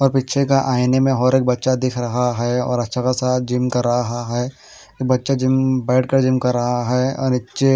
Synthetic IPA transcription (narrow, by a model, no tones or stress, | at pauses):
ɔːɾpiːtːt͡ʃʰekaʔaːɪnemẽɦɔːɾeːk̚bɐtːʃad̪ɪkʰɾɐɦaɦɛɔ̰ːɾɐtːʃʰakasaːt̪̚ʰd͡ʒɪmkɐɾːɐɦɦaɦɛ | eːk̚bɐtːʃad͡ʒɪmbɛːʈkɐɾd͡ʒɪmkɐɾːɐɦaɦɛɔ̰ːɾnɪtːʃe